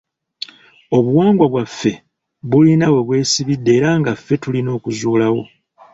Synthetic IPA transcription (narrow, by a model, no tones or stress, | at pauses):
o̞βuwaːŋɡwaβwafːe̞ | βulinawe̞βwe̞ːsiβidːe̞ːɾaːŋɡafːe̞tulino̞ːkuzuːlawo̞